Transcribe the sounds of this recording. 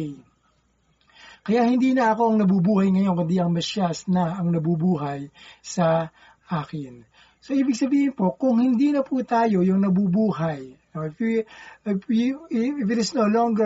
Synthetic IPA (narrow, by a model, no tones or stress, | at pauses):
kɐjaʔhɪnd̪iːnɐʔɐko̞ʔɐŋnɐbubuːhɐjŋɐjo̞nkʊnd̪iʔɐŋmɐʃasnɐɐŋnɐbubuːɦɐjsɐ | ʔaːkɪn | so̞ʔiːbɪɡ̚sɐbiːhɪnpo̞kʊŋhɪnd̪iːnɐput̪aːjo̞jʊŋnɐbubuːɦɐjnoɪf | ɪfɪt̪ɪsnoloŋɡɛ